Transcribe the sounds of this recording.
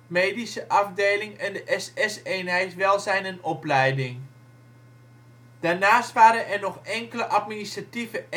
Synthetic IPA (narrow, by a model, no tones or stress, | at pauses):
mejdisəʔɑvdejlɪŋɛndəʔɛsɛseːnɦɛjtʋɛlˠzɛjnənɔplɛjdɪŋ | d̥aːrnaːstʋaːɾənɛrnɔxɛŋkələʔat̚ministrativə